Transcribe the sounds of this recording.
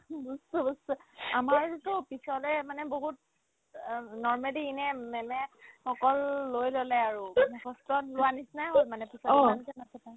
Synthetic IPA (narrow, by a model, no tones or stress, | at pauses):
bustubustamaɹtʊpisɔlɛmanɛboɦut̚ | nɔɹmaliːnɛmɛmɛxɔkɔlːojlolɛaɹukɔstɔtlʊwanisnajɦolmanɛpisɔankɛmatʰɛpaj